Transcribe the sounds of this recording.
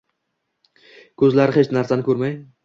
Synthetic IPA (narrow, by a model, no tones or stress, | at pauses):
kʲʰɵzlaɾɪχet͡ʃnaɾsanɪkʰʲɵɾmaj